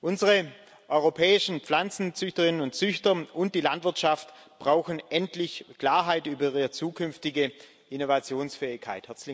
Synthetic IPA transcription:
ʔʊnzəʁə | ʔɔʏʁopʰɛːɪʃn̩p͡flant͡sn̩t͡sʏçtəʁɪnənʊnt͡sʏçtɐʔʊnt̚d̥iːlantv̥ɪɐtʃaftb̥ʁaʊxn̩ʔɛntlɪçkl̥aːɐɦaɪtʔyːbɐiɐt͡suːkʰʏnftɪɡə | ʔɪnovat͡sjoːnsfɛːɪçkʰa̰ɪthɛɐt͡slɪ

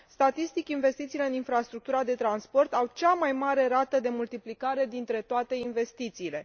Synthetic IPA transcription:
st̪at̪ist̪it͡ʃʲinve̞st̪it̪siːle̞ɨninfɾast̪ɾuk̚t̪uɾad̪e̞t̪ɾanspo̞rt̪awt͡ʃamajmaɾe̞ɾat̪əd̪e̞mult̪iplikaɾe̞d̪int̪ɾe̞t̪oat̪e̞inve̞st̪it̪siːle̞

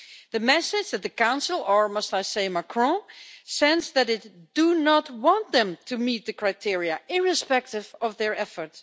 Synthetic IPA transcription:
ðɨmɛsɪ̥d͡ʒðɨt̪̚ðɨkãʊ̃nsl̩ˠə˞mʌstaɪseɪmakʰɹɔ̃sɛ̃nzðæɾɪtd̥unət̚wɑ̃ntðɛ̃mtʰumit̪̚ðɨkɹaɪtʰɪɹiəʔɪɹɨspɛk̚tɪvʌvðə˞ɛfə˞t

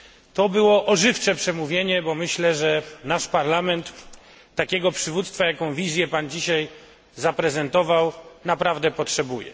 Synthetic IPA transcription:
t̪ɔbɘwɔʔɔʐɘft͡ʂɛpʂɛmuvʲjeɲɛbɔmɘɕlɛʐɛnaʂpaɾlamɛnt̪ː | akʲɛɡɔpʂɘvut̪st̪fajakɔ̃w̃vʲizʲjɛpand͡ʑiɕaj | zapɾɛzɛnt̪ɔvawnapɾavd̪ɛpɔtʂɛbujɛ̰

